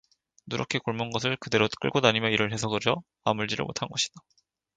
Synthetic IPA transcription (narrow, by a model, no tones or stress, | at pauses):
nuɾʌkʰekoɭmonɡʌs̬ʰɯɭkɯde̞ɾok͈ɯ̰ɭɡodaɲimjʌiɾɯɭhe̞sʰʌɡɯɾjʌ | amuɭd͡ʑiɾɯ̰ɭmo̰tʰanɡʌɕʰi̥d̥ḁ